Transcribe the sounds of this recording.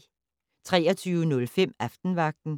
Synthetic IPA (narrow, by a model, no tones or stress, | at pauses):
t͡sʰʁɛ̰ːɐt͡sʰyːʊənɔ̽lfem̰æfd̥n̩ʋɑ̈ɡ̥̚d̥n̩